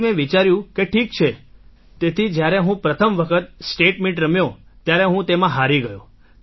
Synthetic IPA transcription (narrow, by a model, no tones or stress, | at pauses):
mẽʋit͡ʃaɾjũkeʈʰik̚t͡ʃʰe | t̪et̪ʰid͡ʒjaɾeɦũpɾət̪ʰəmʋəkʰət̪sʈeʈmiʈɾəmjõt̪jaɾeɦũt̪emãɦaɾiɡəjo